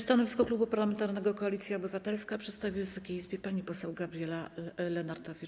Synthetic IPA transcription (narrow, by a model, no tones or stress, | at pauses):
st̪anɔvʲiskɔklubupaɾlamɛnt̪aɾnɛɡɔkɔalʲit̪sʲjaɔbɘvat̪ɛlskapʂɛt̪st̪avʲivɨsɔkʲejizbʲjɛpaɲipɔsɛwɡabɾʲjɛlalɛnaɾd̪ɔvʲi